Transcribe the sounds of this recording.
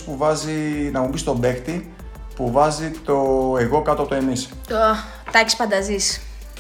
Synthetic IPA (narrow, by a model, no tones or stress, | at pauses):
puvɐzinɐmumbist̪o̞be̞xt̪i | puvɐzit̪oeɣo̞kɐt̪oɐp̚ot̪oenis | t̪o | t̪ɐki̥sfɐnd̪ɐzis